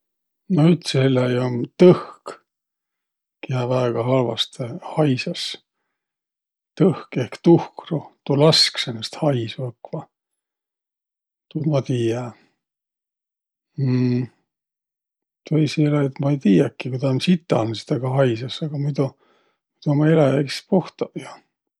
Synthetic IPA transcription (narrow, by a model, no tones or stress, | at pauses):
nohyt̪seelːɑjont̪ɤhk | kijɑvæeɡ̥ɑɦɑlvɑ̰st̪hɑjsɑs | t̪ɤhkehkt̪uhkrut̪ulɑsksenːest̪hɑjsvɤkvɑ | t̪umɑt̪iːjæ | t̪ejsielɑet̪mɑejt̪iːjɑkːikud̪ɑnsit̪ːˑɑ̰nsi̥t̪ɑɡ̥ɑɦɑjsɑsɑɡ̥ɑmud̪u | mid̪̥umɑelɑjækspuht̪ɑjɑ